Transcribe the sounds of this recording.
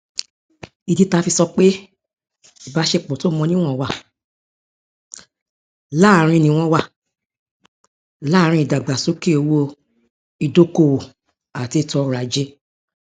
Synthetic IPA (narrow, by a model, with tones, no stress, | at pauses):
i˨di˨˦ta˧fi˧sɔ˧k͡pe˦ | i˦˨ba˨˦ʃe˧k͡pɔ̃˨to˨˦˨mɔ̃˧nĩ˦w̃ɔ̃˦˨wa˦˨ | la˦˨ɾ̃ĩ˧˨nĩ˨w̃ɔ̃˧wa˦˨ | la˦˨ɾ̃ĩ˧i˨da˨ɡ͡ba˨so˨˦ke˦o˧wo˧ | i˨do˦ko˧˨wo˨ | a˨ti˧tɔ˧˨ɾa˨d͡ʒe˧˦